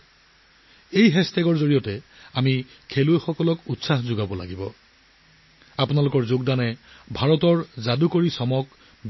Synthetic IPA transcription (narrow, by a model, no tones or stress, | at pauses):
ejɦɛstɛɡɔɹzoɹiɔtɛami | kʰeluxɔkɔlɔkutsaxzʊɡabɔla̰ɡibɔ | apʊnalʊkɔɹzoɡdanɛbʱaɹɔtɔɹzadukoɹisɔmɔk